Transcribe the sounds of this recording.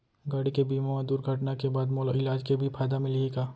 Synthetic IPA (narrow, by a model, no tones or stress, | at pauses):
ɡaːɽikebiːmamed̪uːɾɡʱɐʈnakebaːd̪moːlɪlaːd͡ʒkebʱipʰaːd̪amɪleːɡaː